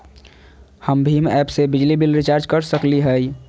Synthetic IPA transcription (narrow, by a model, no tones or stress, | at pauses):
həmbʱimɛpsebɪd͡ʒlibilɾit͡ʃaɾd͡ʒkəɾsəkliɦəi